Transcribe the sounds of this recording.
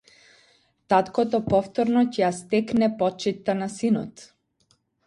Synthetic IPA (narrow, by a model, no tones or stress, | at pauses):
t̪at̪kɔt̪ɔpɔft̪ɔɾnɔcɛjast̪ɛknɛpɔt͡ʃit̪ːanasinɔ̰t̪